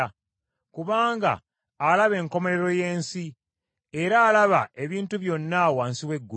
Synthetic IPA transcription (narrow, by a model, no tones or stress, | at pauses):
kuβaːŋɡa̰ː | laβe̞ːŋko̞me̞ɾe̞ɾo̞je̞ːnsi | e̞ɾaːlaβaʔe̞βiːntuβjo̞nːaːwaːnsiwe̞ɡːu